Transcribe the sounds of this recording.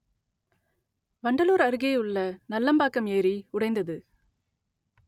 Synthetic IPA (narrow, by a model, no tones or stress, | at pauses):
ʋɐɳɖɐluːɾɐɾɯɣeːʊɭːɐnɐlːɐmbaːkːɐmeːɾiʊɽɐɪnd̪ɐðɯ